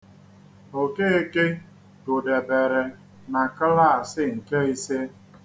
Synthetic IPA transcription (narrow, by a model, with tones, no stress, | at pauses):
o˨ke˦e˦ke˦ | ɡʊ˨de˨be˨ɾe˨ | na˨ka˦la˦˨sɪ˦ŋ̩˨ke˦i˦se˦